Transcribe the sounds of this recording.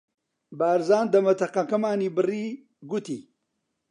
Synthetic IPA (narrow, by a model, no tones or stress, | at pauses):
baːɾzaːnd̪ɐmɐt̪ʰɐqɐkɐmaːniːbɨriː | ɡut̪iː